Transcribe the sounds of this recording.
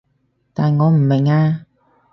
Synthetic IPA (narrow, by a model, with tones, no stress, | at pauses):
t̪aː˨˩nŋɔː˨˧m̩˨˩me˨˩ŋaː˧